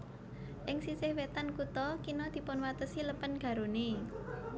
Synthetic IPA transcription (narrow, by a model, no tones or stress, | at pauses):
ʔɪŋsisɪhwet̪ankut̪ɔkinɔd̪̥i̤pʊnwat̪əsiləpənɡ̥a̤ɾuni